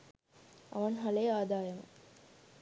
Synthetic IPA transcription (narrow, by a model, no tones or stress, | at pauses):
ɐ̰ʋɐnɦɐlejaːd̪aːjɐmɐ̰